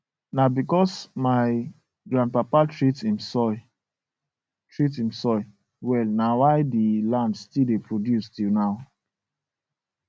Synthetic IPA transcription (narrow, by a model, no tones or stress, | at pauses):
nabikɔsmaɪ | ɡɹãnd̚papatɹitĩmsɔ | tɹit̬ĩmsɔɪ | wɛlnawaɪdilãndstildepɹodjustinaʊ